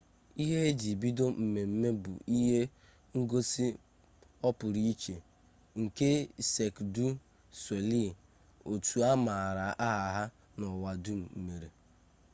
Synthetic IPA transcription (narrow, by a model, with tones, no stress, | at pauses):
i˦ɦe˦di˨bi˦do˦m̩˨me˨m̩˦me˦bʊ̰˨ʔi˦ɦe˦ | ŋ̩˦ɡo˦sɪ˦ | ɔ˦pʊ˨ɾi˦i˦t͡ʃe˨ | ŋ̩˨ke˦se˨kdu˦ | swe˨li˦˨ | o˨tu˨a˦ma˨ɾa˨ʔa˦ɦa˨˦ɦa˦ | nɔ˨wa˨du˦m̩˨m̩˨me˨ɾe˨